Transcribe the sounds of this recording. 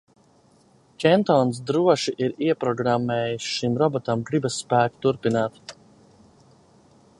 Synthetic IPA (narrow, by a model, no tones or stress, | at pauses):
kʲɛnt̪ɔns̬d̪ɾuɔʃiʔiɾiɛpɾɔɡɾamːɛːjisʃimɾɔbɔt̪amɡɾibasːpæːkt̪uɾpinaːt̪